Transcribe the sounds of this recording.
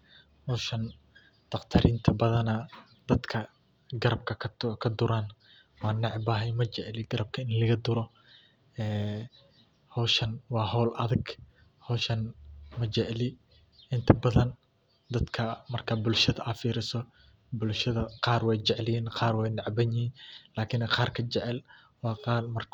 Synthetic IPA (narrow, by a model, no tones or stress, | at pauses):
hɔːʃɐn | d̪̥ɑqt̪ʰɐɾɪnt̪ʰɐbɐðɐnɐ | d̪̥ɐd̪kʰɐ | ɡɐɾɐb̚kʰɐk̪ʰkʰɐd̪ʊɾan | wɑːnɑʕbɐɦɛjmɐt͡ʃɛʕlɪɡɐɾɐb̚kʰɐɪnlɐɣɐd̪ʊɾɔ | ɛː | hɔːʃɐnwɑːɦɔːlʔɐ̰ðɪɡ | hɔːʃɐnmɐt͡ʃɛʕlɪ | ʔɪnt̪ʰɐbɐðɐn | d̪ɐd̪kʰɐmɐrkʰɐbʊlʃɐðɐʔɐfiːɾɪsɔ | bʊlʃɐðɐqɑːrwɛjt͡ʃɛʕlɪjɛːnqɑːrwɛjnɑʕbɐɲɪiːnlaːkʰɪnɛqɑːrkʰɐt͡ʃɛʕɛl | wɑːqɑːlmɐr